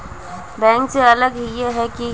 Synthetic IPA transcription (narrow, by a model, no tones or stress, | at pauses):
bɛ̃ːŋkseɐləɡjeɦɛki